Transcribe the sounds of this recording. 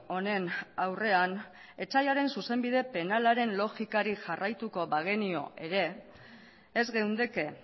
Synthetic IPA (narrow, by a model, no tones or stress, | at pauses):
o̞ne̞nawre̞an | e̞t͡sajaɾe̞nsuse̞mbiðe̞pe̞nalaɾe̞nlo̞ʝikaɾiʝarʔajt̪uko̞βaɣ̞enio̞̰ʔe̞ɾe̞ | zɣe̞wnd̪eke̞